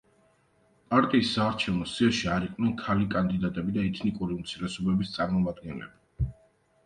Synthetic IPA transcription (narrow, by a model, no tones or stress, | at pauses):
pʼaɾt̪ʼiːsːaːɾt͡ʃʰɛvnɔsiaʃiaɾiqʼnɛnkʰalikʼand̪id̪at̪ʼɛbid̪aɛt̪ʰnikʼuɾiumt̪sʰiɾɛsɔbɛbist̪sʼaɾmɔmad̪ɡɛnlɛ̰bi